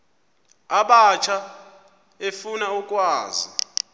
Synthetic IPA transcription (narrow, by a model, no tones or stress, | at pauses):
aɓat͡ʃʰa | efunaukʼwaːzi